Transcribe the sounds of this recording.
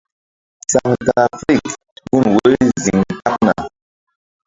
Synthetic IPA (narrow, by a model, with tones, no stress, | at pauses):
sa˨ŋka˨fɾi˦˨k | wu˦nwe˦zi˨ŋta˦k̚na̰˨